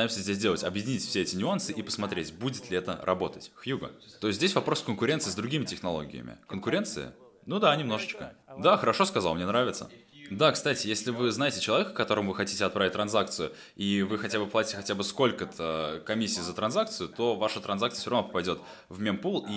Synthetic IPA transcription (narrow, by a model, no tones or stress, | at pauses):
jɪmsʲəzʲdʲes̬ʲdʲe̞lˠətʲɐbjɪdʲɪnʲitʲfsʲeɛtʲɪnʲʊansɨʔipə̥smɐt̪ɾʲetʲbudʲɪt̪lʲɪɛt̪ə̰ɾʔɐ̰bo̞t̪ətʲxjuɡə̰t̪oɪsʲt̪ʲdʲesʲvɐpɾo̞skənkʊɾʲe̞nt̪sɨːzd̪ɾʊɡʲimʲɪtʲɪxnɐlˠo̞ɡʲɪ̰jə̰mʲɪ̰kənkʊɾʲe̞nt̪sɨə̰ | nud̪anʲɪmno̞ʐət͡ɕkəd̪axəɾɐʂoskɐzalˠmnʲenɾavʲɪt̪sə̰ | d̪akst̪atʲɪjesʲlʲɪvɨznajɪtʲɪt͡ɕɪlˠɐvʲekə̥kːɐt̪o̞ɾəmʊvɨxɐtʲitʲɪɐt̪pɾavɪt̚ʲt̪ɾɐnzak̚t̪sɨjʊ | ivɨxɐtʲabɨplˠatʲɪ̥tʲɪxɐtʲabɨsko̞lʲkət̪ʰəkɐmʲisʲːiːzət̪ɾɐnzak̚t̪sɨjʊt̪o̞vaʂət̪ɾɐnzak̚t̪ɨəsʲoɾɐvnopəpɐjdʲo̞t̪ | vmʲempulˠi